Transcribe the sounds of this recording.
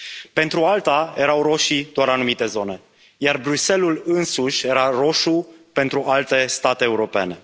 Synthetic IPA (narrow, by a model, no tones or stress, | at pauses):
pe̞nt̪ɾualt̪aje̞ɾawɾo̞ʃid̪oaɾanumit̪e̞zo̞ne̞ | jarbɾuse̞lulɨnsuʃʲje̞ɾaro̞ʃupe̞nt̪ɾuʔalt̪e̞st̪at̪eːuɾo̞pe̞̰ne̞